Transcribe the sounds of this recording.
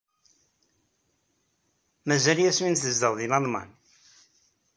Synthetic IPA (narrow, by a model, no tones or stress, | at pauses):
mæzæljæsminθəzd̪əʁðimɑðˤmɑ̰n